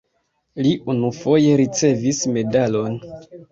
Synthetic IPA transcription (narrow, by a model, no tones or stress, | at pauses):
liʔunufo̞je̞ɾit͡se̞visme̞dalo̞n